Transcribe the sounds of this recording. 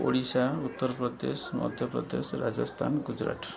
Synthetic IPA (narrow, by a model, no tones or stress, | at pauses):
oɽisaut̪ːɔɾpɾɔd̪esmɔ̰d̪ʱjɔpɾɔd̪esɾad͡ʒɔst̪ʰa̰nɡud͡ʒɾa̰ʈ